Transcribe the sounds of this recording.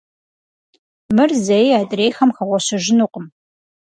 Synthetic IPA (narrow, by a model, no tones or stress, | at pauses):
mɨrzɐjjaːdʼreːxɐmxɐʁʷɔɕɨʒɪnuːqəm